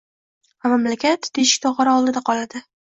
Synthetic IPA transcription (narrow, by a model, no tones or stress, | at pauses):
vamamlakʲʰat̪d̪eʃɪ̥k̚ʲt̪ʰɒʁɑɾaɒlˠd̪ɪd̪aqʰɒlad̪ɪ